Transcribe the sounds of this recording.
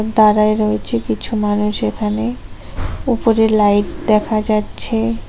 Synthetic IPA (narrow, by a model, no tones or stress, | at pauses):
d̪aɾaeɾɔet͡ɕʰekit͡ɕʰumanuʃekʰane | upoɾelajʈd̪ɛkʰad͡ʑatːɕʰe